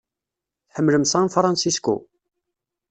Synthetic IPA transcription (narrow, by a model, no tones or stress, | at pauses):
θħəmːləmsæ̃nfɾˤɑnsiskṵ